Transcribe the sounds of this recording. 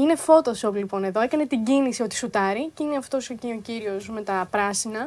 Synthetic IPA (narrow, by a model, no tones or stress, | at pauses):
ine̞fo̞t̪o̞solipo̞ne̞ðo̞e̞kɐne̞t̪iɟinisio̞t̪i̥sut̪ɐɾiceineɐft̪o̞sociociɾio̞sme̞t̪ɐpɾɐsinɐ